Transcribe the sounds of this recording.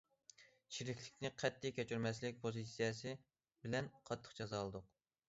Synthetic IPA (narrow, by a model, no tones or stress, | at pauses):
t͡ʃʰiɾɪkʲlɪkʲnɪqʰɛt̪ʰːɪkʲɛt͡ʃʰyɾmɛslɪk̚ʲpʰozisijɛsɨ | bɪlɛnqʰɑt̪ʰːə̥χd͡ʒɑzɑlˠɨd̪ʊq